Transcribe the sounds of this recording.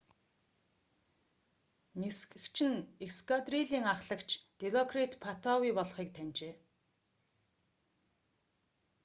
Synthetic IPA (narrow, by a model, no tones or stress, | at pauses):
niskɘ̆kt͡ɕʰɪ̆nekskat̪riɮiːŋaχɮə̆kt͡ɕʰt̪eɮɔkʰrit̪pʰat̪ʰɔwiːpɔɮχiːk̚t̪ʰænʲt͡ɕeː